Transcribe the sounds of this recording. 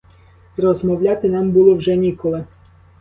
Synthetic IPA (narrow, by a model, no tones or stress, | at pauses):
ɾɔzmɔwlʲɑt̪ɪnɑmbulˠɔwʒɛnʲikɔlˠɪ